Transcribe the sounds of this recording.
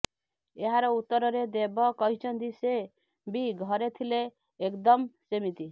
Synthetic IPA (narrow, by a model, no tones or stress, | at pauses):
eɦaɾɔut̪ːəɾɾed̪ebɔkɔɦit͡ʃʰənd̪ise | biɡʱəɾet̪ʰileː | kd̪əmsemit̪i